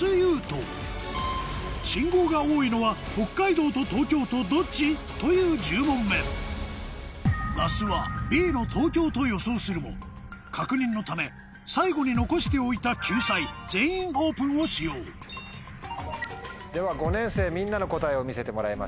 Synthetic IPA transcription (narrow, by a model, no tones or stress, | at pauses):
ɨjɯːt̪o̞̰ | ɕĩŋɡo̞ːɡao̞ːino̞βaho̞kːaid̪o̞ːt̪o̞t̪o̞ːtkʲo̞ːt̪o̞d̪o̞t͡ɕit̪o̞jɯ̟ːd͡ʑɨːmõ̞mːe̞ːɾo̰ | masɨβa̰bʲiːno̞t̪ʰo̞ːkʲo̞ːt̪o̞jo̞so̞ːsɨɾɯ̟mo̞̰ | kʰakɯ̟ɲ̟ĩnːo̞t̪ame̞ | saiɡo̞ɲ̟ino̞ko̞ɕi̥t̪e̞o̞it̪akʲʰɨːsaizẽ̞ɰ̃ĩɰho̞ːpɯ̟̃ɰ̃o̞ɕijo̞ː | d̪e̞βaɡo̞nẽ̞ɰ̃se̞ːmʲĩnːano̞ko̞t̪aeo̞mʲise̞t̪emoɾaima̰